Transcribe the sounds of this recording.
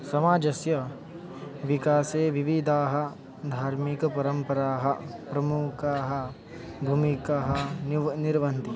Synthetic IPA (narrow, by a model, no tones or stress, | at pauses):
sɐmaːd͡ʒɐsjɐ | ʋikaːseːʋiʋid̪ʱaːɦɐ̆ | d̪ʱaːɾmikɐpɐɾɐmpɐɾaːɦɐpɾɐmukaːɦɐ̆ | bʱumikaːɦɐnniɾʋɐnt̪i